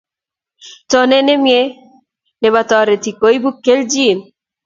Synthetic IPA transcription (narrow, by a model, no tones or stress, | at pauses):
tɔnenemie | neβat̪ɔɾet̪ʰikojbukːeld͡ʒin